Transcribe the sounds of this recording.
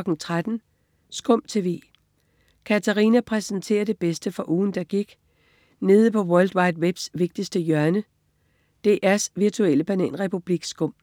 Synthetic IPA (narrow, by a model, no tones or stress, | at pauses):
ɡ̥n̩t͡sʰʁad̥n̩ | sɡ̥ɔ̽m̰t͡sʰe̝ːʋe̝̰ː | kʰæt͡sʰæʁiːnæpʰʁɛsn̩t͡sʰe̝̰ːɐd̥e̝b̥esd̥əfɒ̽ʔuːn̩d̥ɑ̈ɡ̥iɡ̥ | ne̝ːð̞ˠəpʰɒ̽wɒld̥wɑ̈ɪd̥ʋeb̥sʋe̝ɡ̥̚d̥isd̥əjɶɐnə | d̥e̝ʔæɐsʋiɐt͡sʰuel̰əb̥ænḛn̰ʁɛpʰub̥liɡ̥sɡ̥ɔ̽m̰